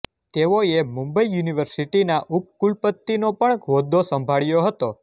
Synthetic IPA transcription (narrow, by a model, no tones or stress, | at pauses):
t̪eʋoemũmbəijuniʋəɾsiʈinaʔup̚kulpət̪ːinopəɳɡʱʋod̪ʱːosə̃mbʱaɭjoɦət̪o